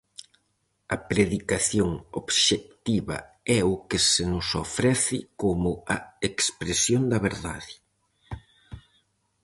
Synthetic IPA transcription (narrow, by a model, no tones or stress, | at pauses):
ɐpɾeðikaθjoŋoβʃek̚t̪iβɐ̰ | ɛʊkɪsenʊsofɾɛθɪkomʊɐekspɾesjond̪ɐβeɾða̰ðɪ